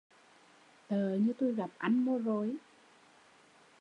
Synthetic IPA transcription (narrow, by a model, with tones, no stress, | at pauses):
t̪əː˨˩ɲɨ˧t̪o˧jɣa˨˩p̚ʔa˧˩nmo˧zo˨˦j